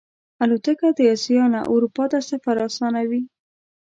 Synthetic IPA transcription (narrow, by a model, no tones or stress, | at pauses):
alot̪əkad̪əjɑsijɑna̰ʔṵɾupɑt̪asafaɾɑsɑnawi